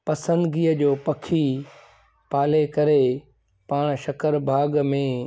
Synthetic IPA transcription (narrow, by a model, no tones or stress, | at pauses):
pɐsə̃nd̪ɡiːəd͡ʑoːpɐkʰi | paːlekɐɾe | paːɽ̃ʃɐkəɾbʱaːɡmẽ